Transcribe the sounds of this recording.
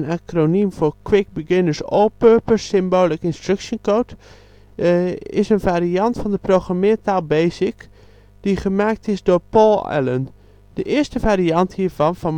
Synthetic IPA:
nakronimfoːɹkʰwɪk̚biɡɪnəɹso̰lˠpøɹpəɹsɪmboːlˠɪkɪnstrøksjənkoːt | ɪsənvaːɾiɑntfɔndəproxramɪːtaːlˠbeːsɪk | d̥iχəmaːk̚tʰɪsdoːɹpɔlˠɛ̰lən | d̥əʔɪəɹstəfaːɾiɑnthiːɹvɑnfɔn

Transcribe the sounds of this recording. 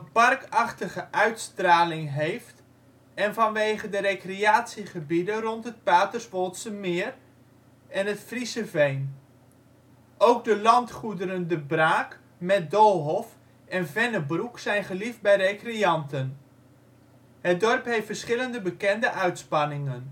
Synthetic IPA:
əpɑrkɑχtəχəʔœɥtstraːlɪŋɦejft | ɛnvɑnʋejχədəɾekreaːtsiχəbidənrɔntɦət̚paːtərsʋɔlˠtsəmɪːr | ɛnətfrisəvejn | ʔowɡ̚dəlɑntχudəɾəndəbraːk | mɛt̚dolˠɦɔf | ɛnvɛnəbruksɛjnχəlifd̚bɛjrekrejɑntən | ɦət̚dɔrpɦeftfərsχɪləndəbəkɛndəʔœɥtspɑnɪŋən

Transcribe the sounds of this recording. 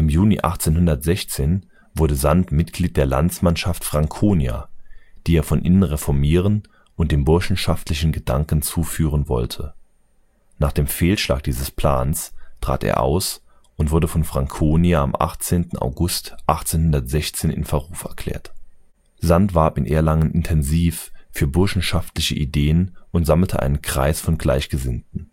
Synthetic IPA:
ʔɪmjuːniʔa̰χt͡seːnhʊndɐtz̥ɛçt͡seːn | vʊɐdəzantmɪtɡ̥liːt̚d̥eːɐla̰nt͡smanʃaftfʁ̥aŋkʰoːnija̰d̥iːeːɐfɔnʔɪ̰nənʁefɔɐmiːʁ̞ən | ʔʊnt̚d̥eːmbʊɐʃn̩ʃaftʰlɪçn̩ɡəd̥aŋkn̩t͡suːfyːʁ̞ənvɔ̰ltʰə | naːχd̥eːmfeːlʃla̰ːk̚d̥iːzəspl̥aːnstʁ̥a̰ːtḛːɐʔa̰ʊs | ʔʊntv̥ʊɐdəfɔnfʁ̥aŋkʰoːniaa̰mʔa̰χt͡seːntn̩ʔa̰ʊɡʊstʔaχt͡seːnhʊndɐtz̥ɛçt͡seːnɪ̰nfɛɐʁuːfɛ̰ɐkʰl̥ɛ̰ːɐt | z̥antv̥aɐpɪnʔeːɐlaŋənʔɪntʰɛnziːffyːɐbʊɐʃn̩ʃaftlɪçə̰ʔideːənʔʊntz̥aml̩tʰə̰ʔa̰ɪnənkʁ̥a̰ɪsfɔnɡlaɪçɡ̥əzɪntn̩

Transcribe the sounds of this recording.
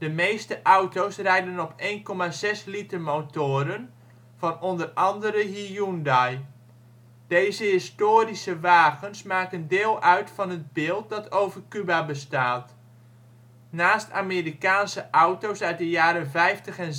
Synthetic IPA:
d̥əmejstəʔɔwtowsrɛjdənɔpʰejnkɔmazɛslitərmowtoːɾən | v̥ɑnɔndərɑndəɾəɦijundaj | d̥ejzəɦɪstoːɾisəʋaːɣənsmaːkəndɪːlˠʔœɥtfɑnəd̚bɪːlˠt̚dɑtʰowvərkybabəstaːt | naːsta̰meɾikaːnsəʔɔwtowsœɥt̚dəjaːɾənvɛjftəχɛn

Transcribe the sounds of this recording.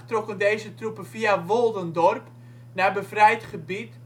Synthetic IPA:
trokəndejzətrupəfiaʋolˠdəndɔrp | nabəfrɛjtχəbit

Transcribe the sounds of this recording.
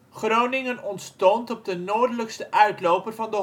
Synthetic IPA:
χrownɪŋənɔntstɔntɔb̚dənoːɹdələkstəʔœɥtlowpərvɑndə

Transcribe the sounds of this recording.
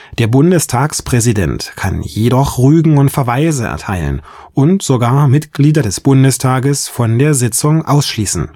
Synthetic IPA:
d̥eːɐbʊndəstʰaːkspʁ̥ɛzidɛ̰ntkʰa̰njedɔχʁyːɡŋ̩ʊntfɛɐvaɪzəʔɛ̰ɐtʰaɪlə̰n | ʔʊntz̥oɡaːɐmɪtɡ̥liːdɐdɛsb̥ʊndəstʰaːɡəsfɔndeːɐzɪt͡sʊŋʔaʊsʃliːsn̩

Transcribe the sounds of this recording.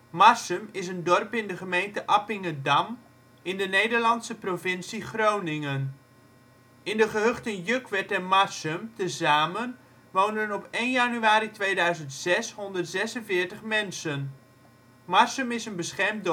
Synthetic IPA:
mɑɹsəmɪsəndɔrpɪndəχəmejntəʔɑpɪŋədɑm | ɪndənejdəɹlɑnsəprovɪnsiχrownɪŋən | ɪndəχəɦøχtənjøkʋɛtɛnmarsəmtəzaːmən | ʋowndənɔpejnjanyaːɾitʋejdœɥzəntsɛsɦɔndərtsɛsənvɪːɹtəχmɛnsən | mɑɹsəmɪsənbəsχɛɹmd

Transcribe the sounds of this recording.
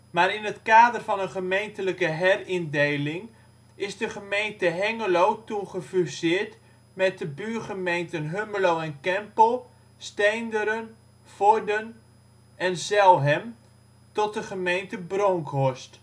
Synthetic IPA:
maːɾɪnətkaːdərfɑnənχəmejntələkəɦɛrɪndejlɪŋ | ɪsdəχəmejntəɦɛŋəlowtuχəfysɪːɹt | mɛt̚dəbyːrχəmejntənɦøməlowɛnkɛmpəlˠ | stejndəɾən | fɔɹdən | ʔɛnzɛlˠɦɛm | tɔt̚dəχəmejntəbrɔŋkʰɦɔst

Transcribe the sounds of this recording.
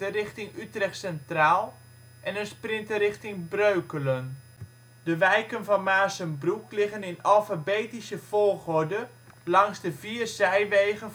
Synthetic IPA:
ərɪχtɪŋytrɛχtsɛntraːlˠ | ʔɛnənsprɪntəɾɪxtɪŋbrøɥkələn | dəʋɛjkənvɔnmaːsənbruklɪɣənɪnalˠfabeːtisəfolˠχɔdə | lɑŋsdəviːrsɛjʋejɣə

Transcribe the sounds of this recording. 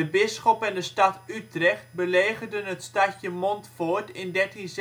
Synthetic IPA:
əbɪsxɔpɛndəstatytrɛxt̚bəleːɣərdənɦətstacəmontfoːrtɪndɛrtins

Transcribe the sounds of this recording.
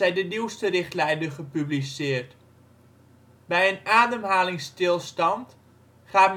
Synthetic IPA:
ɛjdəniwstərɪχtlɛjndəχəpyblisɪːərt | bɛjənaːdəmɦaːlɪŋstɪlˠstɑnt | χaːm

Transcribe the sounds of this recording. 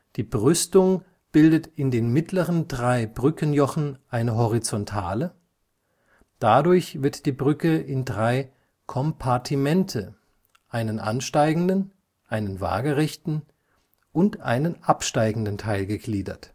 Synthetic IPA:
d̥iːbʁʏstʊŋ | b̥ɪldətɪndeːnmɪtʰləʁəndʁaɪbʁʏkʰənjɔχn̩ʔaɪnəɦɔʁit͡sɔntʰa̰ːlə | d̥adʊɐçv̥ɪɐtd̥iːbʁʏkəɪndʁaɪ | kʰɔmpʰaɐtʰimɛntʰə | ʔaɪnənʔa̰nʃtaɪɡŋ̩dən | ʔaɪnənva̰ːɡəʁɛçtn̩ | ʔʊntʔa̰ɪnənʔapʃtaɪɡŋ̩dən̩tʰaɪlɡəɡliːdɐ̰t

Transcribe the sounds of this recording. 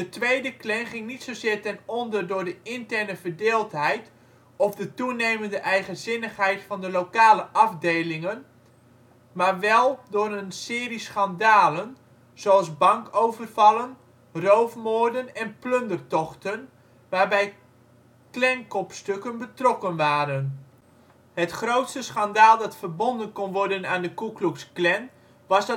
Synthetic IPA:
d̥ətʋejdəklɛŋχɪŋnitsozɪːrtɛnɔndərdʊːɹdəɪntɛrnəvərdeːlˠtɦɛjt | ɔfdətunejməndəʔɛjχənzɪnəχɦɛjtfɑndəlowkaːləʔɑvdejlɪŋən | maːrʋɛlˠdʊɾənsɪːrisχɑndaːlən | z̥owɑlˠzbɑŋkowvərvɑlˠən | rowfmoːrdənɛnplɵndərtɔχtən | ʋaːrbɛj | klɛŋkɔpstɵkənbətrɔkənʋaːɾən | ɦətχrowtstəsχandaːlˠdɑtfərbɔndənkɔnʋɔrdənaːndəkukluksklɛn | ʋɑsd

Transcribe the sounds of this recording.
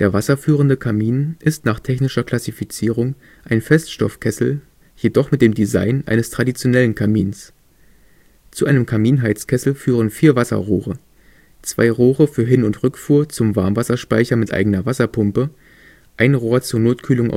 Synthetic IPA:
d̥eːɐvasɐfyːʁ̞əndəkʰamiːnʔɪstnaːχtʰɛçnɪʃɐkl̥asifit͡siːʁ̞ʊŋ | ʔaɪnfɛstʃtɔ̰fkʰɛsl̩ | jedɔχmɪt̚d̥eːmdiza̰ɪnʔa̰ɪnəstʁ̥adit͡sjonɛlənkʰamiːns | t͡suʔaɪnəmkʰamiːnɦaɪt͡skʰɛsl̩fyːʁ̞ənfiːɐvasɐ̰ʁoːʁə̰ | t͡sv̥a̰ɪʁoːʁəfyːɐɦɪnʊntʁʏkfuːɐt͡sʊmva̰ɐmvasɐʃpa̰ɪçɐmɪtʔa̰ɪɡənɐvasɐpʰʊmpə | ʔaɪnʁoːɐt͡suːɐnoːtkʰyːlʊŋʔa̰

